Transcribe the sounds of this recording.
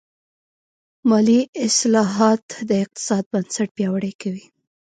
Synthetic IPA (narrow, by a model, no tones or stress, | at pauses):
mɑliɪslɑɦɑt̪d̪əɪq̚t̪ɪ̥sɑd̪̚bansaʈ̚pjɑwaɽəjkawi